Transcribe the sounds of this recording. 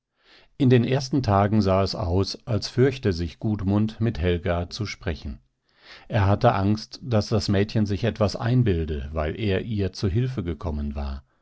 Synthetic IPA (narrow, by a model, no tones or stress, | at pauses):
ʔɪndeːnʔeːɐstn̩tʰaːɡŋ̩zaːɛsa̰ʊsʔalsfʏɐçtəzɪçɡ̥uːtmʊntmɪthɛlɡat͡suʃpʁ̥ɛçn̩ | ʔeːɐɦatəʔaŋstd̥asd̥asmɛːtçənzɪçɛtv̥asʔa̰ɪnbɪldəvaɪlʔeːɐʔiːɐt͡suɦɪlfəɡəkʰɔmənva̰ːɐ